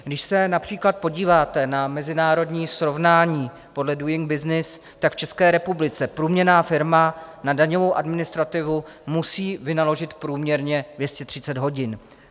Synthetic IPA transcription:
ɡdɪʃsɛnapr̝̥iːklat̪̚po̞ɟiːvaːt̪ɛnamɛzɪnaːɾo̞dɲiːsɾo̞vnaːɲiː | po̞dlɛdujɪŋɡ̚bɪznɪs | t̪akft͡ʃɛskɛːɾɛpublɪt͡sɛpɾuːmɲɛnaːfɪɾmanadaɲo̞vo̞wʔadmɪnɪst̪ɾat̪ɪvumusiːvɪnalo̞ʒɪt̪pɾuːmɲɛɾɲɛdvjɛscɛt̪r̝̥ɪt͡sɛd̪ɦo̞ɟɪn

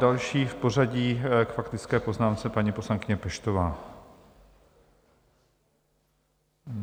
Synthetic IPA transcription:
alʃiːfpo̞raɟiːkfakt̪ɪt͡skɛːpo̞znaːmt͡sɛpaɲiːpo̞slaŋkɪɲɛpɛʃt̪ovaː

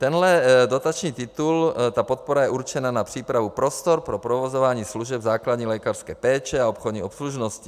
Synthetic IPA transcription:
t̪ɛnɦlɛdot̪at͡ʃɲiːt̪ɪt̪ult̪apot̪̚poɾajɛʔuɾt͡ʃɛnanapr̥iːpɾavupɾost̪oɾpɾopɾovozovaːɲiːsluʒɛbzaːklad̪ɲiːlɛkarskɛːpɛːt͡ʃɛaopxod̪ɲiːopsluʒnosci

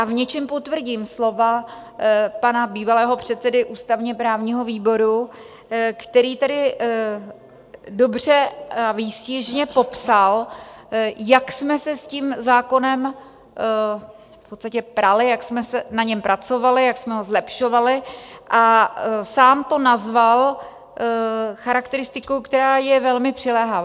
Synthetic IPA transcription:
ʔavɲɛt͡ʃɛmpo̞t̪vr̩ɟiːmslo̞va | panabiːvalɛːɦo̞pr̝̥ɛt̪t͡sɛdɪʔuːst̪avɲɛpɾaːvɲiːɦo̞viːbo̞ɾu | kt̪ɛɾiːt̪ɛdɪ | do̞br̝ɛaviːscɪʒɲɛpo̞psal | jaksmɛsɛscimzaːko̞nɛm | fpot̪st̪acɛpɾalɪjaksmɛsɛnaɲɛmpɾʔat͡so̞valɪjaksmɛɦo̞zlɛpʃo̞valɪʔasaːmt̪o̞nazval | xaɾakt̪ɛɾɪst̪ɪkowkt̪ɛɾaːjɛvɛlmɪpr̝̥ɪlɛɦavaː

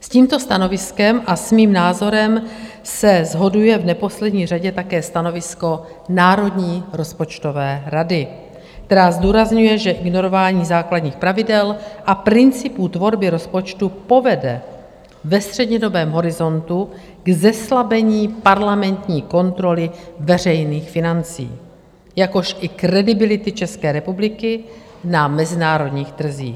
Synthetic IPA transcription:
sciːmt̪o̞st̪ano̞vɪskɛmʔasmiːmnaːzo̞ɾɛm | sɛzɦo̞dujɛvnɛpo̞slɛdɲiːr̝aɟɛt̪akɛːst̪ano̞vɪsko̞ | naːɾo̞dɲiːɾo̞spo̞t͡ʃt̪o̞vɛːɾadɪ | kt̪ɛɾaːzd̪uːɾazɲujɛʒɛʔɪɡno̞ɾo̞vaːɲiːzaːkladɲiːxpɾavɪdɛlʔapɾɪnt͡sɪput̪vo̞ɾbɪɾo̞spo̞t͡ʃt̪upo̞vɛdɛ | vɛst̪r̥ɛdɲɛdo̞bɛːmɦo̞ɾɪzo̞nt̪u | ɡzɛslabɛɲiːpaɾlamɛnt̪ɲiːko̞nt̪ɾo̞lɪvɛr̝ɛjniːxfɪnant͡sḭː | jako̞ʃʔɪkɾɛdɪbɪlɪt̪ɪt͡ʃɛskɛːɾɛpublɪkɪ | namɛzɪnaːɾo̞dɲiːxt̪r̩zḭːx

